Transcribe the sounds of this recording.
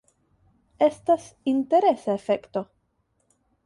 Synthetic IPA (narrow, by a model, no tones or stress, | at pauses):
e̞stasinte̞ɾe̞saefe̞kto̞